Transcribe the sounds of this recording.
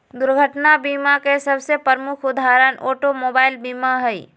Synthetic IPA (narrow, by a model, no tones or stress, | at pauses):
d̪ʊɾɡʱəʈnabiːmakesɐbsepəɾmʊkʰʊd̪ʱaːɾənoːʈomoːbaːɪlbiːmaɦɛḭ